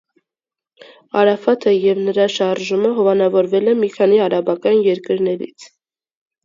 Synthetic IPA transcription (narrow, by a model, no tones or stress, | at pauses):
ɑɾɑfɑt̪ʰəjɛvnəɾɑʃɑɾʒuməɦɔvɑnɑvɔɾvɛlɛmikʰɑniɑɾɑbɑkɑnjɛɾkəɾnɛɾḭt͡sʰ